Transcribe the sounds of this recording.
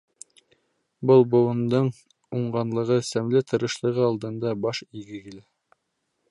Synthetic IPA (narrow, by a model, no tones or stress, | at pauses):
bɤlˠbŏw̪ˠɤ̆nd̪ɤɴ | uɴɢɑnlˠɤ̆ʁɤsæmlɘt̪ʰɤ̆ɾɤ̆ʃlˠɤ̆ʁɤɑlˠd̪ɤ̆nd̪ɑbɑʃiɡɘkilæ